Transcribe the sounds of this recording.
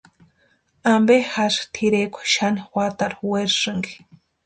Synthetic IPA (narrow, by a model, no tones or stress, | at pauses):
ambehaʂt̪ʰiɾekʷḁʃanixwʷat̪aɾweɾʂɨŋɡi̥